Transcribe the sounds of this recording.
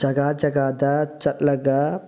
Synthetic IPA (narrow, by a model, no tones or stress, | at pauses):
d͡ʒɐɡaːd͡ʒɐɡaːd̪ɐt͡ʃɐt̪lɐɡa